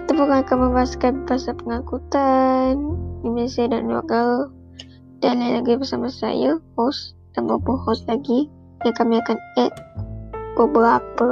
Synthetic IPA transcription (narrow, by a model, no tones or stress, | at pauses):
t̪əpukakaməmbaɦaskanbaɦasapəŋakut̪andimasiadanua̰ʔɡa | d̥anlalaɡɾibərsamasa̰jahɔs | d̥anbabuhɔslaɡi | jaŋkamiakanɛt̪̚ | pəbəɾapə